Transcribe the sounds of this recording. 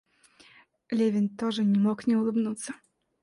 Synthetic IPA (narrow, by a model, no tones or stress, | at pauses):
lʲevʲɪnt̪oʐɨnʲɪmoknʲɛʊlˠɨbnut̪sːə